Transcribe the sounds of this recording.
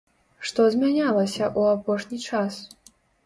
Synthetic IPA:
ʂt̪ɔzʲmʲanʲalˠɐsʲɐʔuapɔʂnʲit͡ʂas

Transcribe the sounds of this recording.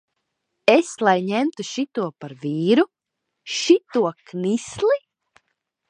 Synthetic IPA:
eslˠajɲemt̪uʃit̪uɔpaɾviːɾu | ʃit̪uɔknislˠi

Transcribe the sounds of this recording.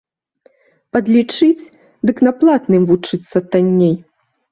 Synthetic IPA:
pɐd̪lʲit͡ʂɨt͡sʲ | d̪ɨknɐplˠat̪nɨmvut͡ʂɨt̪sːɐt̪anʲːej

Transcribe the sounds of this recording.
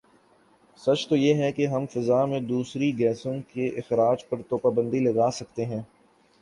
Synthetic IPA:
sɐt͡ʃt̪ojeːɦɛkeɦɐmfɪzaːmẽd̪uːsɾiɡɛːsõkeʔɪxɾaːd͡ʒpɐɾt̪oːpaːbə̃nd̪ilɐɡaːsɐk̚t̪eɦɛ̃ː

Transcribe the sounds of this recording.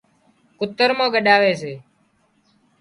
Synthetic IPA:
kʊt̪ːəɾmãːɡəɗaːʋeːt͡ʃʰeː

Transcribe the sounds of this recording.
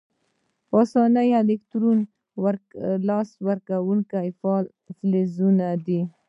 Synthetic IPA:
ɑsɑnəjalɪkt̪ɾun | wɾlɑswaɾkawuŋkajfɑl | flezunad̪i

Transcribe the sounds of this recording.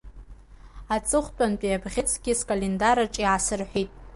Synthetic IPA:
at͡sʼɨχʷtʷʼant͡pʼijabʁʲɪt͡sʰʼɡ̥ʲɪskʼalendaɾaʈ͡ʂʼiʕasɨrħʷᶣitʼ

